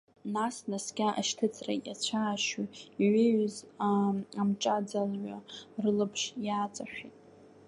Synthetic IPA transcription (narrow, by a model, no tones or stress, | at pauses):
nasnasɡʲaʔa̰ʃtʰɨt͡sʰʼra̰jat͡ɕʷʰaːʃuiʕeɥzaamt͡ʃʼad͡zalɥʷarɨlɨpʰʂjaːt͡sʼaʃʷᶣitʼ